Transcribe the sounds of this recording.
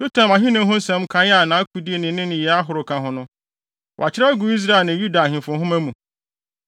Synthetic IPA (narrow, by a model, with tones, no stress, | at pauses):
so˦tʰã˨ma˨ɦɪ̃˦nʊ̃˦ɦʊ̃˦n̩˦sɛ̃˨˦mkʰã˦n˦a˦˨nã˨˦æ˦kʰu˨di˦e˨nɪ̃˨˦nɪ̃˦nɪ̃˨jɛ˨a˦ɦʊ˨ɾʊ˨kʰã˨ɦʊ̃˦nʊ̃˦ | wɔ̰˨a˨t͡ɕʰɪ˦ɾa˦ɡu˨i˦s̬ɾa˦e˨nã˨ju˦da˨hɪ̃˨fʊ̃˨˦ɦʊ̃˦mæ˦mũ˨